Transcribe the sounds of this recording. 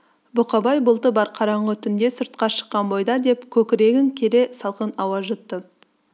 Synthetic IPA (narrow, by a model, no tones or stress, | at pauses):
bʊqɑbɑjbʊlˠt̪əbɑɾqʰɑɾɑɴʁət̪ʰʏnd̪e̞sʊɾt̪̚qɑʃə̥qːɑnbo̞jd̪ɑd̪e̞pkʲʰɵkʲɪɾe̞ɡʲɪŋkʲʰe̞ɾe̞sɑlˠqənɑwɑzʒʏt̪ːə